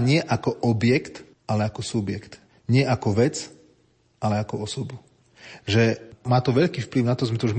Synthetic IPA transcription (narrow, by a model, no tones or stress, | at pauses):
ɲɪɛʔakɔʔɔbjɛkt̪ | alɛakɔsubjɛkt̪ | ɲɪɛʔakɔʋɛt͡s | alɛakɔɔsɔbu | ʒɛmaːt̪ɔʋɛʎkiːfpliʊnat̪ɔzmɛt̪ɔu